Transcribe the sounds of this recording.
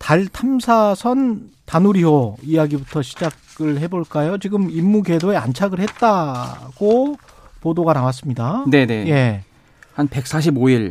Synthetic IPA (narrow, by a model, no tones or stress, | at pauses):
taɭtʰamsʰasʰʌntanuɾiɦoijaɡibutʰʌɕʰid͡ʑaɡɯɭhe̞boɭk͈ajot͡ɕiɡɯmimːuke̞doe̞a̰nt͡ɕʰaɡɯɭhe̞t̚t͈aɡ̥o | podoɡanawas̬͈ɯmɲidane̞ne̞je̞ | hanpe̞k̚s͈aɕ̬ʰiboiɭ